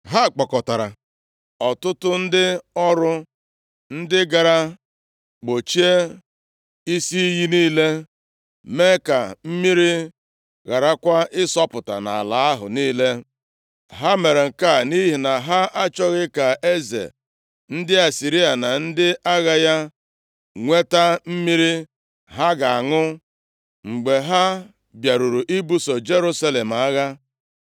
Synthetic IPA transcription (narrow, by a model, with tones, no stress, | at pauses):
ɦa˦˨k͡pɔ˨kɔ˨ta˨ɾa̰˨ | ɔ˨tʊ˦tʊ˦n̩˦dɪ˦ɔ˦ɾʊ˦ | n̩˦dɪ˦ɡa˨ɾa˦ | ɡ͡bo˨t͡ʃi˦e˦ | i˦si˦ji˦niː˦le˦ | me˦ka˨m̩˦mi˦ɾi˦ | ɣa˨ɾa˦kʷa˦ɪ˦sɔ˦pʊ˨ta̰˨na̰˨a̰˨la˨˦a˦ɦʊ̰˨niː˦le˦ | ɦa˦me˨ɾe˨ŋ̩˨ka˦˨ni˦ɦi˨na˨ɦa˦ʔa˦t͡ʃɔ˦ɣɪ˦ka˨e˦zḛ˨ | n̩˦dɪ˦a˨si˨ɾi˦a˨na˨n̩˦dɪ˦a˦ɣa˦ja˦ | ŋʷe˦ta˦m̩˦mi˦ɾi˦ | ɦa˦ɡa˨a˨ŋʊ˦ | ŋ͡m̩˨ɡ͡be˨ɦa˦ | bja˨ɾu˨ɾu˨ʔi˦bu˦so˨d͡ʒe˦ɾu˦sa˦le˨m˨a˦ɣa˦